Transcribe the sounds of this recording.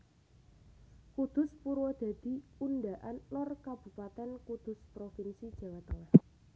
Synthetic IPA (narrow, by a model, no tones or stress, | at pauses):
kud̪̥ʊ̤spuɾwɔd̪̥a̤d̪̥i̤unɖaʔanlɔrkab̥ṳpat̪ɛnkud̪̥ʊ̤spɾofinsid̥ʒ̥a̤wat̪əŋah